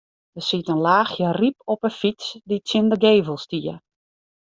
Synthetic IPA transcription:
dəsitənlaːxjərip̚ɔpəfit͡sdit͡sjɪndəɡeːvəlˠstiə

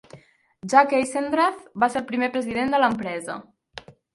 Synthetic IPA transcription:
ʒakejsend̪ɾafbaselˠpɾimepɾəziðend̪ələmpɾɛzə̰

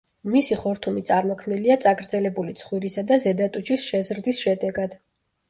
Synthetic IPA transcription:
misiχɔɾt̪ʰumit̪sʼaɾmɔkʰmniliat̪sʼaɡɾd̪zɛlɛbulit̪sʰχwiɾisad̪azɛd̪at̪ʼut͡ʃʰisʃɛzɾd̪isʃɛd̪ɛɡad̪̥

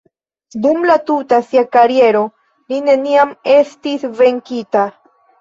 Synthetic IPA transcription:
dumlatutasiakaɾie̞ɾo̞ | line̞niame̞stisve̞ŋkita

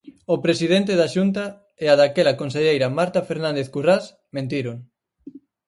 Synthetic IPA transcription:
opɾesiðent̪̬eðaʃunt̪a | eaðakelɐkonseʎejɾɐmaɾt̪afeɾnãnd̪eθkuras | mẽnt̪iɾoŋ

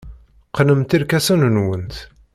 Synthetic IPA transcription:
qnəmt̪iɾkæsunənwənt̪

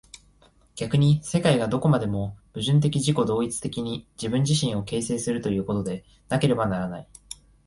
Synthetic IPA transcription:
ɡ̥ʲakɯ̟ɲ̟ise̞kaiɡad̪o̞ko̞mad̪e̞mo̞b̥ɯ̟ʑɨ̃nt̪̬e̞kʲiʑiko̞d̪o̞ːit͡sɨ̥t̪e̞kʲiɲ̟id͡ʑibɯ̟̃ɲ̟d͡ʑiɕĩɰ̃o̞ke̞ːse̞ːsɨɾɯ̟t̪o̞jɯ̟ːko̞t̪o̞d̪e̞ | nake̞ɾe̞banaɾanai

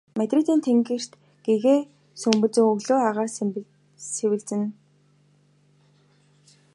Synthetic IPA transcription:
mæt̪rit̪iːnt̪ʰeŋɡɘ̆r̥t̪ | ɡ̥eɣeː | sɵmpɵ̆t͡sɵ̆ŋɵɣɮoːaʁaːr | sewɘ̆ɮt͡sɘ̆n

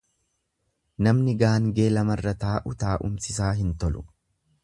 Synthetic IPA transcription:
nɐmnɪɡaːŋɡe̞ːlɐmɐrːɐt̪aːʔʊt̪aːʔʊmsɪs̬aːɦɪnt̪ɔlʊ̥

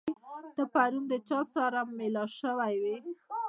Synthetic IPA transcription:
d̪̥əpaɾumd̪ət͡ʃɑsɑɾamːelɑʃəwajwi

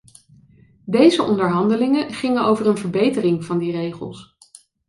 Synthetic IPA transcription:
dejzəʔɔndəɹɦɑndəlɪŋəχɪŋənowvərənvəɹbejtərɪŋv̥ɑndirejχə̰lˠs

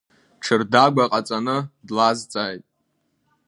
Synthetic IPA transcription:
ʈ͡ʂʰɨrdaɡʷaqʼat͡sʼanɨdlazt͡sʼaːjtʼ

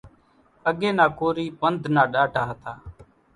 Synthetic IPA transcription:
əɡeːnaːkoːɾiːpənd̪ʱnaːɗaːʈaːɦt̪aː

